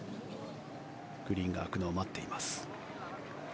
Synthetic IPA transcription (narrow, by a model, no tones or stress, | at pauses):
ɡ̥ɯ̟ɾʲĩŋɡa̰ːkɯ̟noːmat̪ːe̞imasɨ̥